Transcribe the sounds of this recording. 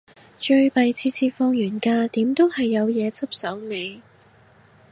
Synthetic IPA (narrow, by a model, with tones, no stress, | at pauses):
t͡ʃɵ˧ɥpɐ˨jt͡sʰiː˧t͡sʰiː˧tfɔː˧ŋjyː˨˩nkaː˧t̪iː˨˥mt̪o˥whɐ˨jːɐ˨˧wjɛː˨˧t͡sɐ˥p̚sɐ˨˥wme˨˧j